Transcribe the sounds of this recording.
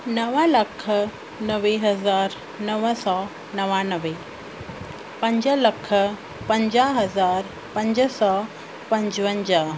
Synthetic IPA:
nɐʋalɐkʰə | nəʋeɦɐzaːɾ | nɐʋəsɔː | nɐʋanəʋe | pɐ̃ɲd͡ʑəlɐkʰə | pɐ̃ɲd͡ʑaɦɐzaːɾ | pɐ̃ɲd͡ʑəsɔː | pɐ̃ɲd͡ʑʋəɲd͡ʑa

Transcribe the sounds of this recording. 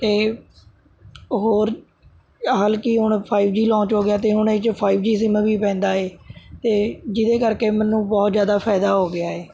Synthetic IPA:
t̪eː | ɦoːɾ | ɦaːlkiːɦʊɳpʰaːɪbd͡ʒiːlɔ̃ːt͡ʃɦoːɡɪjaːt̪eːɦʊɳet͡ʃpʰaːɪbd͡ʒiːs̬ɪməbiːpɛ̃ːnd̪aːeːt̪eːd͡ʒɪd̪eːkəɾkeːmənːũːbɔːt̪zjaːd̪aːpʰɛːd̪aːɦoːɡɪaːeː

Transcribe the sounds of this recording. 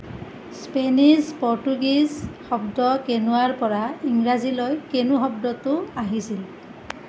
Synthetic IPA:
spenizpɔɹtuɡizxɔbdɔkenuaɹpɔɹaiŋɹazilɔjkenuxɔbdɔtʊaɦisil

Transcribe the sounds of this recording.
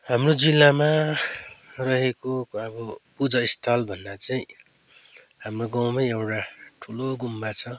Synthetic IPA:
hamrod͡zilːama | rʌɦekoʌbʌpud͡zʌist̪ʰʌlbʱʌnːat͡sʌĩ | ɦamroɡʌwmaewʈaʈʰuloɡumːat͡sʰʌ

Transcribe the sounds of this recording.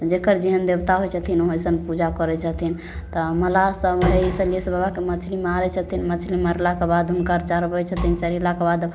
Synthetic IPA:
t̪ɔd͡ʒekəɾd͡ʒiɦənd̪ebt̪aɦojt͡ʃʰət̪ʰinoɦosənpud͡ʒakɔɾɛt͡ʃʰət̪ʰin | t̪ɔməlasəbeisəlisbabakemət͡ʃʰlimeaɾɛt͡ʃʰət̪ʰinmət͡ʃʰliməɾlakebad̪ɦunkəɾt͡ʃaɾbəjt͡ʃʰət̪ʰint͡ʃəɾilakebad̪

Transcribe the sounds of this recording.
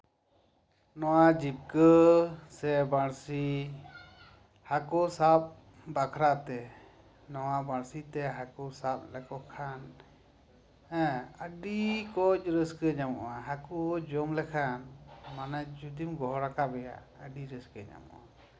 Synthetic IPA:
nɔwad͡ʒip̚kəsɛbaɽsi | hakɔsap̚ | bakʰɾat̪ɛ | nɔwabaɽsit̪ɛɦakɔsap̚lɛkɔkʰan | ɛ̃əɖikɔc̚ˀɾəskəɲamɔ̰ʔaɦakuɔd͡ʒɔmlɛkʰanmanad͡ʒud̪imɡɔɦɔɾakabɛja̰ | əɖiɾəskəɲa̰mɔ̰ʔa

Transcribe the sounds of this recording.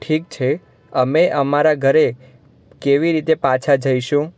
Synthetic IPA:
ʈʰik̚t͡ʃʰe | əmeʔəmaɾaɡʱəɾe | keʋiɾit̪epat͡ʃʰad͡ʒəiʃũ

